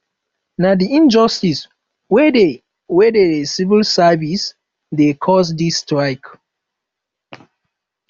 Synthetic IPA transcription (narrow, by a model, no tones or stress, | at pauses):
nadiĩnd͡ʒɔstis | wɛde | wɛdedesivilsavis | dekʰɔs̬distɹaɪk